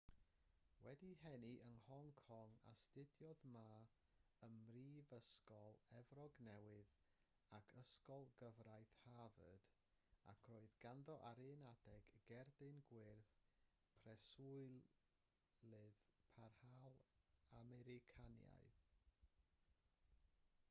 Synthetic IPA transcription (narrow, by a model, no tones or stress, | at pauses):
wɛdiɦɛniʔənhɔŋkʰɔŋa̰stɪdjɔðma | əmriːvəskɔlˠɛvrɔɡnɛwɪð | akʰəskɔlˠɡəvrajθhavə̰d̥ | a̰kʰroːɨðɡanðɔʔaɾenadɛɡɡɛrdɨnɡwɪrθ | pʰrɛsʊɨ | lɨðpʰarhalˠamɛɾɪkʰanja̰jθ